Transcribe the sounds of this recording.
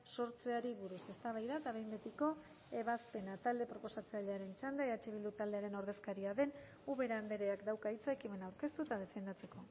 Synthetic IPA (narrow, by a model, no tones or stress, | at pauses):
so̞ɾt͡se̞aɾiβuɾuse̞st̪aβ̞ajðaet̪aβejmbe̞t̪iko̞ | e̞β̞aspe̞nat̪ald̪e̞pɾo̞po̞sat͡saʎeaɾe̞nt͡ʃand̪aeat͡ʃeβild̪ut̪ald̪e̞aɾe̞no̞ɾðe̞skaɾiaðe̞n | uβe̞ɾaːnd̪e̞ɾeakd̪awkait͡saekime̞nawɾke̞st̪ut̪að̞e̞fe̞nd̪at͡se̞ko̞